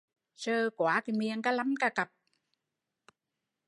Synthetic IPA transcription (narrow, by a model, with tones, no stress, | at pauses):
səː˧kwaː˨˦ki˨˦mi˧əŋkaː˦˥la˨˦mkaː˧˩ka˨˩p̚